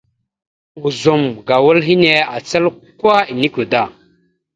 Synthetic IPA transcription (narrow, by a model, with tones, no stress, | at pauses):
u˨zu˨mɡa˨wu˦lɦi˦ne˨a˨t͡sə˦lkwa˦i˨ni˦ku˨da˦˨